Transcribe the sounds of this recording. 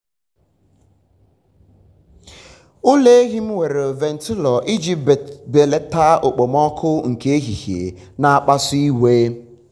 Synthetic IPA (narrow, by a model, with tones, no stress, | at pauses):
ʊ˦le˦e˦ɦɪ˦m̩˦we˨ɾe˨o˨ve˨n̩˨tɪ˦lɔ˨ʔi˦d͡ʒi˨be˨le˨ta˦o˨k͡po˨mɔ˦kʰʊ˦ŋ̩˨ke˦e˦ɦi˨ɣḛ˨ | na˨a˨k͡pa˦si˦i˦we˦